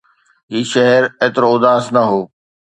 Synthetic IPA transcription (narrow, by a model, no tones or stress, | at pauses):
ɦiːʃɐɦɛɾeːt̪ɪɾoʊd̪aːsnɐɦoː